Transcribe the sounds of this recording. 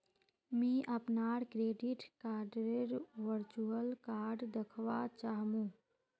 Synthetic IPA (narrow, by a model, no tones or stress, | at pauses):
mĩʔəpnaːɾkɾeːɖiʈkaːɖɾeɾʋəɾt͡ʃuəlkaːɾɖd̪əkʰʋat͡ʃaːɦmũː